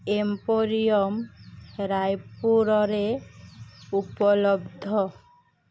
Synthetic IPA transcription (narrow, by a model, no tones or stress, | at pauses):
empoɾijɔmɾajpuɾɔɾe | upɔlɔbd̪ʱɔ